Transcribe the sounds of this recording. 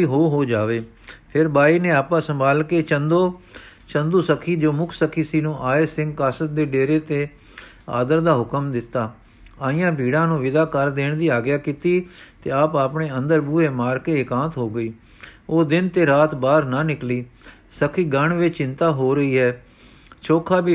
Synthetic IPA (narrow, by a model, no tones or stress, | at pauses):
iːɦoːɦoːd͡ʒaːʋeː | pʰɪɾbaːiːneːaːpãːsəmbaːlkeːt͡ʃənd̪oː | t͡ʃənd̪uːsəkʰːiːd͡ʒoːmʊkʰsəkʰːiːsiːnũːʔaːesɪ̃ŋɡkaːsət̪̚d̪eːɖeːɾeːt̪eː | a̰ːd̪əɾd̪aːɦʊkəmd̪ɪt̪ːaː | aːɪjãːbʱiːɽãːnũːʋɪd̪aːkəɾd̪eːɳd̪iːaːɡjaːkiːt̪iːt̪ḛːaːpaːpɳeːə̃nd̪əɾbuːeːmaːɾkeːɪkãːt̪ɦoːɡəiː | oːd̪ɪnt̪eːɾaːt̪baːɾnãːnɪkliː | səkʰːiːɡəɳʋɪt͡ʃt͡ʃɪ̃nt̪aːɦoːɾəiːɦɛː | t͡ʃʰoːkʰaːbiː